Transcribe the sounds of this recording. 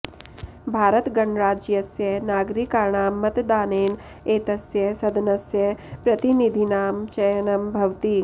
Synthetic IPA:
bʱaːɾət̪ɡɐɳɾaːd͡ʒjɐsjɐɦnaːɡɾikaːɳaːmːɐt̪d̪aːneːn | eːt̪ɐsjɐɦsɐd̪nɐsjɐɦpɾɐt̪inid̪ʱinaːmt͡ʃɐjɐnɐmbʱɐʋt̪iː

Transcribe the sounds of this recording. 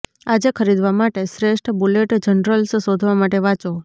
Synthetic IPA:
ad͡ʒekʰəɾid̪ʋamaʈesɾeʃʈʰbuleʈd͡ʒənɾəlssod̪ʱʋamaʈeʋãt͡ʃo

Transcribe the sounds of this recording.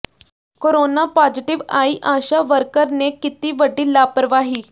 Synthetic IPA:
koɾonapaːd͡zɪʈɪʋaːiːʔaːʃaʋəɾkəɾnekɪt̪iːʋəɖiːlaːpəɾəʋaːɦiː

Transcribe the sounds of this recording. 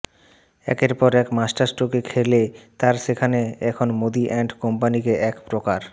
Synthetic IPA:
ɛ̰keɾpɔɾɛkmasʈaɾsʈokekʰelet̪aɾʃekʰaneɛkʰonmod̪iʔɛɳɖkompanikeʔɛkpɾokaɾ

